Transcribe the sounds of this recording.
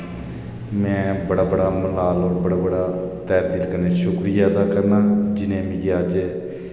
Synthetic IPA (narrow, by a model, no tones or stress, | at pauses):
mɛ̃ːbəɽaːbəɽaːməlaːlɔːɾbəɽaːbəɽaːt̪ɛːɾd̪iːlkəɾneːʃʊkɾiːjaːd̪aːkəɾnaːd͡ʒɪnẽːmĩːəd͡ʒ